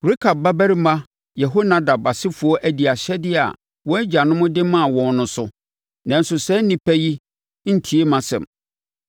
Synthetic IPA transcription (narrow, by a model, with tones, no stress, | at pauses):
ɾi˦kʰa˨b̚ːa˦bæ˦ɾi˦mã˦ | jɛ˨ɦo˦nã˦da˨ba˨sɪ˦fʊ˨˦ɔ˦ʔæ˨di˨a˨ɕɛ˦dɪ˦a̰˨ | wɔ̃˦æ˦d͡ʑa˨nʊ̃˦mʊ̃˦dɪ˦mã˦a˨wɔ̃˨n˦nʊ̃˦sʊ˦ | nã˨n̩˦sʊ˨sɛ˦nĩ˨pʰæ˦ji˦ | n̩˦tʰi˨e˦mã˨sɛ̰̃˨m